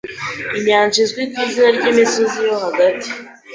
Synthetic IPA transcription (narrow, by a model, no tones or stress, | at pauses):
iɲaːɲʒizɡwikwizinaɾɟiːmisozijohaɡati̥